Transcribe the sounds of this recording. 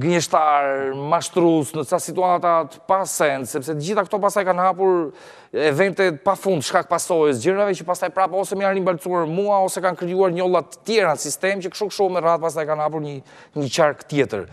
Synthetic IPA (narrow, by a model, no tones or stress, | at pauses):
ɡəɲɛʃt̪aɾmaʃt̪ɾusnəsasit̪uat̪at̪ə̥pasɛnd̪sɛps̬ɛt̪əd͡ʑiθakət̪ɔpast̪ajkanhapuɾ | ɛvɛnt̪ɛpafund̪ʃkak̚pasɔjɛsd͡ʑəɾmavɛt͡ʃəpast̪ajpɾapɔsɛməjanɾimbalt͡suaɾmuaɔsɛkankɾijuaɾɲɔlˠat̪ːə̥t̪jɛɾanəsist̪ɛmt͡ɕəkʃukʃumɛraðpas̬t̪ajkanhap̬uɾɲə | ɲət͡ɕaɾkt̪jɛt̪ə̰ɾ